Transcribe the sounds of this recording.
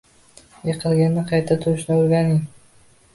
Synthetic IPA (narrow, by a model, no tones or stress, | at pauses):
jɨqʰɨlˠɡʲanːɪqʰɑjt̪ʰat̪ʰʊɾɪʃnɪoɾɡʲanɪŋ